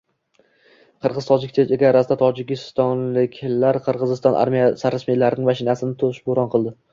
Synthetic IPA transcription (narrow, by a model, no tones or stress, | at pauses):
qʰɨɾʁɨzt̪ʰɒd͡ʒɪk̚ʲt̪ʰet̪eɡʲaɾasɪd̪at̪ʰɒd͡ʒɪkʲɪst̪ɒnlɪkʲʰlaɾqʰɨɾʁɨzɪst̪ɒnʔa̰ɾmijasaɾasmilaɾɪnɪŋmaʃɪnasɪnɪt̪ʰʊɾɪʃboɾɒnqʰɨlˠd̪ɪ